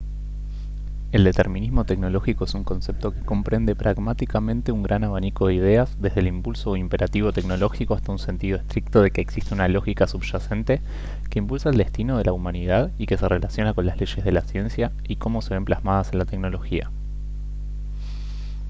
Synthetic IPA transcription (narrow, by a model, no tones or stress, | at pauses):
e̞ld̪e̞t̪e̞ɾmĩnizmo̞t̪ekno̞lo̞xiko̞esuŋko̞nse̞p̚t̪o̞ke̞̥ko̞mpɾe̞nd̪e̞pɾʔaɣmat̪ikamẽ̞nt̪e̞uŋɡɾʔanaβaniko̞ðeið̞e̞azðe̞zð̞elimpulso̞impe̞ɾʔat̪iβo̞t̪e̞kno̞lo̞xiko̞ast̪aunse̞nt̪ið̞o̞est̪ɾik̚t̪o̞ðe̞ke̞ːksist̪eunalo̞xikasuβʒase̞nt̪e̞ | keimpulsaeld̪e̞st̪ino̞ð̞e̞laumaniðaðike̞se̞re̞lasjo̞nako̞nlazle̞ʃe̞zð̞e̞lasje̞nsja | iko̞mo̞se̞β̞e̞mplazmað̞ase̞nlat̪ekno̞lo̞xia̰